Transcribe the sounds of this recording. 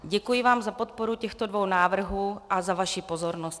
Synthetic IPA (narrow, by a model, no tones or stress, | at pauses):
ɟɛkujɪvaːmzapo̞t̪̚po̞ɾucɛxt̪o̞dvo̞wnaːvr̩ɦuːʔazavaʃipo̞zo̞ɾnost̪